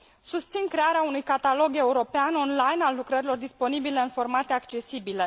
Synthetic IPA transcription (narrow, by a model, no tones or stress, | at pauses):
sust̪sinkɾe̞aɾeaunujkat̪alo̞ɡe̞uɾo̞peano̞nlajnalːukɾəɾilo̞rd̪isponibile̞ɨnfo̞rmat̪e̞akt͡ʃe̞sibile